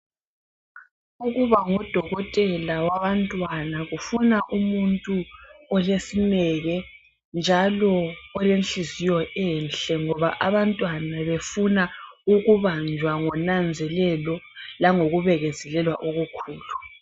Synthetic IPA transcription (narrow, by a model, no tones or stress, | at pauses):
uɣuβaŋɔd̥ʱɔɣɔtʼɛlawaβantʼwanaɣufunaʔumuntʼuɔlesinɛɣɛ | nd͡ʒʱalɔɔlenɬizijɔʔɛnɬɛŋɔβaʔaβantʼwanaβefunauɣuβand͡ʒʱwaŋɔnand͡zʱɛlɛlɔ | laŋoɣuβɛɣɛzɛlɛlwaʔoɣukʰuːlu